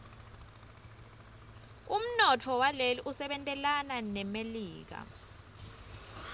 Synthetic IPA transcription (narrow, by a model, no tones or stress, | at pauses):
um̩nɔtʰɔwaleliʔusɛɓɛntʼɛlananɛmeliːk̬a̰